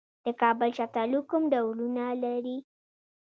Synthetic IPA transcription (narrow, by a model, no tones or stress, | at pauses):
d̪̥əkɑbəlʃat̪alukumɖawɾunalaɾi